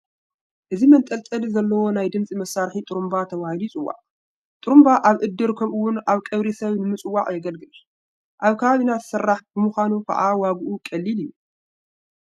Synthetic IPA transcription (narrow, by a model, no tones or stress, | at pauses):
ʔɨzimɐnt̪ʼɐlt̪ʼɐlizɐlːɐwo̞najd̪ɨmt͡sʼimɐsaɾħit̪ʼɨɾumbat̪ʰɐβahilijt͡sʼɨwːa̰ʔʼ | t̪ʼɨɾumbaʔaβʔɨd̪ːɨɾkʰɐmʔɨwːʊnaβkʼɐβɾisɐβnɨmɨt͡sʼɨwːaʔʼjɛɡɐlɡɨl | ʔaβkʰɐβaβinat̪sɐrːaħbɨmuxʷanukʰɐ̰ʔawaɡuʔukʼɐlːilɨjːu